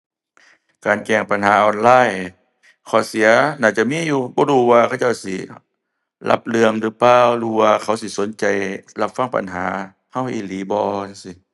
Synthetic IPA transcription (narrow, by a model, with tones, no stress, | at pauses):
kaː˨˩nkɛː˧˩ŋpa˨nɦaː˨˦ʔɔː˨nlaː˧˥˨j | kʰɔː˧˩˦si˨˦ɐnaː˧˩t͡ɕa˧˨miː˧˥˨juː˧bɔː˧˦duː˧˦waː˧kʰa˧˩wt͡ɕa˥˩wsi˧˩ | lʔa̰˧˦p̚lɯ˧əŋlɯː˧˦paː˧˩wluː˧˩waː˧kʰa˨˧˦wsi˧˦so˨˦nt͡ɕa˨jla˧p̚fa˧˥˨ŋpa̰˨nɦaː˨˦ | ha˧˥˩wʔḭː˧˩liː˨˦bɔː˧a˧˦˩si˧˦